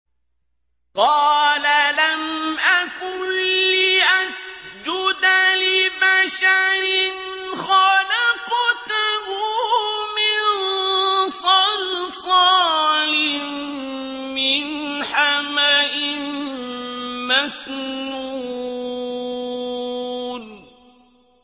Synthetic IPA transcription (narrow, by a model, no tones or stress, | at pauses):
qɑːlalamʔakʊliːʔasd͡ʒʊd̪alɪbaʃaɾɪn | xalɪqt̪hʊmɪn | sˤɑlfˤɑlɪn | mɪn | ħamaʔɪn | masnnu | d